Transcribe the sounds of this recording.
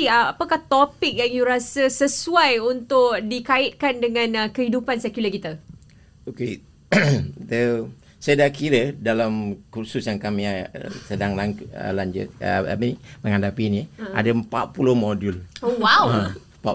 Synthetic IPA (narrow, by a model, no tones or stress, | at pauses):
əapəkaht̪opɪk̚jaŋjuɾasəsəsuajunt̪ʊk̚dikaɪt̪̚kandəŋãnəkəɦidupansɛkjulakit̪a | oke | d̪ə | sadakiɾədalamkursusjaŋkamiasədaŋlaɲə̰laɲd͡ʒʊ̰t̪̚ə̰a̰miniməŋadapiniʔa̰dəəmpat̪̚pulʊhmodulwawa | pa